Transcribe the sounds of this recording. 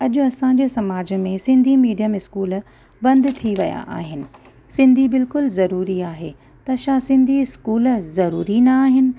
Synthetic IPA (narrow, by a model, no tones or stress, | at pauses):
ɐʄʊɐsãɲd͡ʑesɐmaːd͡ʑə̆mẽsɪ̃nd̪ʱimiːɖijəmɪskuːl | bɐ̃nd̪t̪ʰiʋɐja̰ʔa̰ːɦɪnɪ̆ | sɪ̃nd̪ʱibɪlkʊlzɐɾuːɾiaːɦḛ | t̪ɐʃaːsɪ̃nd̪ʱiɪskuːlzɐɾuːɾinɐːɦɪnɪ̆